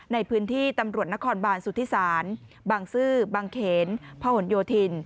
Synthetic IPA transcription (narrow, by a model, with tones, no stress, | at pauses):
na˧jpʰɯː˦˥nt̪ʰiː˥˩t̪a˧mɾu˨˩t̪̚na˦˥kʰɔː˧nbaː˧nsu˨˩t̪ʰiː˦˥saː˩˦n | baː˧ŋsɯː˥˩baː˧ŋkʰeː˩˦npʰa˧ho˨˩˦njoː˧t̪ʰi˧n